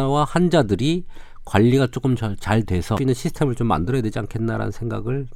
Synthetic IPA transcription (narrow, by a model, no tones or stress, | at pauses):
wahand͡ʑadɯɾi | kwaʎːiɡat͡ɕ͈ok͈ɯmt͡ɕʌt͡ɕaɭtwe̞sʰʌinɯnɕʰisʰtʰe̞mɯɭt͡ɕomːa̰ndɯɾʌjadwe̞d͡ʑia̰nkʰe̞nːaɾa̰nɯ̰nsʰe̞ŋɡa̰ɡɯɭ